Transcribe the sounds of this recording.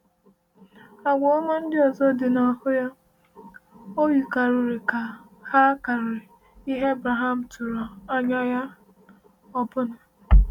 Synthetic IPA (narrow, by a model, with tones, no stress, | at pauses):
a˨ɡʷɔ˨˦ŋʷe˦n̩˦dɪ˦ɔ˨zɔ˦dɪ˨na˨hʊ˦ja˦ | o˦wi˨ka˨ɾʊ˨ɾɪ˨ka˨ | ha˦ka˨ɾɪ˨ | i˦ɦe˦bɾa˨ɦa˨m̩˨tʰu˨ɾɔ˨a˦ɲa˦ja˦ | ɔ˦˨pʊ˦nʊ˨